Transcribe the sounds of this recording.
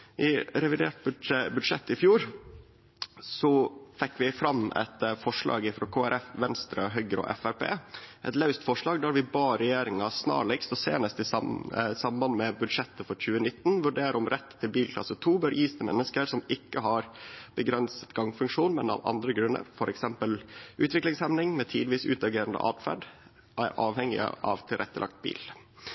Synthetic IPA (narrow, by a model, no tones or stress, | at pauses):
ʔɪɾɛʋɪd̪eːʈ̚bbʉd̪ʂɛt̪ːɪfjuːɾ | sɔfɛkːʋɪfɾɑmːɛ̰t̪fɔʂɭɑ̰ːɡɪfɾoːkʰoːæɾʔɛfʋɛnst̪ɾəɦœɡɾɔ̰ʔɛ̰fæɾpʰḛːʔɛt̪lɑʉst̪fɔʂɭɑːɡd̪æɾʋɪbɑːɾɛjeːɾɪŋɑsnɑ̰ːɭɛkst̪ɔsḛːnəst̪ɪsɑsɑmbɑnmɛbʉd̪ʂɛt̪ːəfɔɾc͡çʉːənɪt̪ːnʋʉɖeːɾəɾɔmɾɛt̪ʰːɪlbiːlkʰlɑ̰sːət̪ʰuːbœɾʔiːst̪əmɛ̰nːəskəɾsɔmɪkːəɦɑɾb̥əɡɾɛnsə̥t̪ɡɑŋfʉŋkʂuːnmɛnɑ̰ʋɑ̰nd̪ɾəɡɾʉnːə̰ɾfɔɾɛksɛmpəlʔʉːt̪ʋɪklɪŋshɛmnɪŋmɛt̪ʰiːd̪ʋiːsʉ̰ːt̪ɑɡeːɾənd̪ə̰ʔɑ̰ːd̪fæ̰ɖ | ʔæɾʔɑːʋhɛŋɪ̰ə̰ʔɑ̰ʋt̪ʰɪlɾʔɛt̪ːəlʔɑ̰k̚t̪̚bḭːl